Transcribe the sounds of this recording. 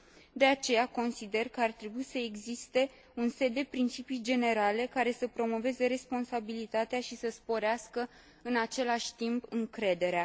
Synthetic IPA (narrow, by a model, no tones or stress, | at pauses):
d̪e̞at͡ʃe̞jako̞nsid̪e̞rkəart̪ɾe̞buisəeɡzist̪e̞ | unse̞d̪ːe̞pɾint͡ʃipijd͡ʒe̞ne̞ɾale̞kaɾe̞səpɾo̞mo̞ve̞ze̞ɾe̞spo̞nsabilit̪at̪eaʃisəspo̞ɾeaskə | ɨnat͡ʃe̞laʃʲt̪impɨŋkɾe̞d̪e̞ɾea